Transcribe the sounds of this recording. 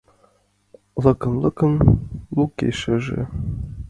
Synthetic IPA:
lˠɤ̆kɤ̆nlˠɤ̆kɤ̆nlukḛʃɘʒɘ̰̆

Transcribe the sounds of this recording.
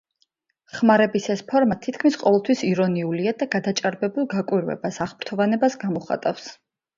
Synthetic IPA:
χmaɾɛbisɛspʰɔɾmat̪ʰit̪̚ʰkʰmisqʼɔvɛlˠt̪ʰwisiɾɔniuliad̪aɡad̪at͡ʃʼaɾbɛbulˠɡakʼwiɾvɛ̰basaʁbɾt̪ʰɔvanɛbasɡamɔχa̰t̪ʼafs

